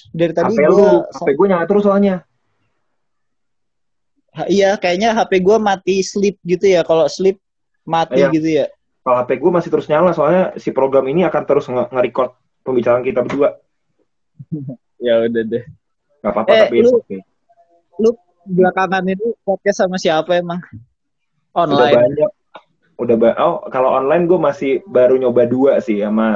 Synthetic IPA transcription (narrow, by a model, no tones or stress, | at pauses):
daɾit̪aadiɡloapɛɡuaɲalat̪əɾʊsoaɲa | haijakajaɲaɦapeɡuamat̪islɪp̚ɡit̪ujakaloslɪp̚ | mat̪iɡit̪uja | kaloɦapɛɡuamasɪht̪əɾʊsɲalasoaɲasipɾoɡɾaminiakant̪əɾʊsŋəŋəɾikɔrt̪̚ | pəmbit͡ʃaɾankit̪abədua | jaudadɛh | kapapaɛapilukɪ | lu | blakaŋaninibat̪̚ɲasamasiapaemaŋ | ʔɔnldabaɲak̚ | udahbaʔɔkaloʔɔnlajɪnɡuamasɪhbaɾuɲobaduasɪhama